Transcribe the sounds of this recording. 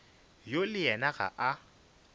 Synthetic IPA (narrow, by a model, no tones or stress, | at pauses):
jolɪjɛnaɣa̰ʔa